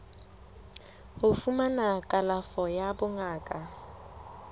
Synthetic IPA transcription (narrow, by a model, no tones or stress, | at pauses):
hʊfumanakʼalafɔjabʊŋaːkʼa